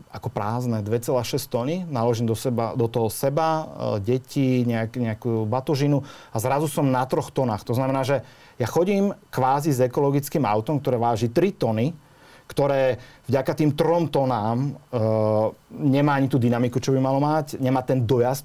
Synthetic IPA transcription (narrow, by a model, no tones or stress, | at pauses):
akɔpɾaːznɛd̪ʋɛt͡sɛlaːʃɛst̪ɔninalɔʒiːmd̪ɔsɛbad̪ɔt̪ɔɦɔsɛbaɟɛciɲɛakɲɛakuːbat̪ɔʒinuazɾazusɔmnat̪ɾɔxt̪ɔnaːxt̪ɔznamɛnaːʒɛ | jaxɔɟiːmkʋaːzizɛkɔlɔɡit͡skiːma̰ʊt̪ɔmkt̪ɔɾɛːʋaːʒit̪ɾit̪ɔni | kt̪ɔɾɛːvɟakat̪iːmt̪ɾɔmt̪ɔnaːm | ɲɛmaːaɲit̪uːd̪inamikut͡ʃɔbimalɔmacɲɛmaːt̪ɛnd̪ɔjast